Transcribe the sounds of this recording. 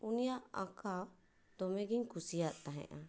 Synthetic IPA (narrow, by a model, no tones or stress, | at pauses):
unijaʔaka | d̪̥ɔmɛɡiɲkusijat̪̚t̪aɦɛ̰̃ʔa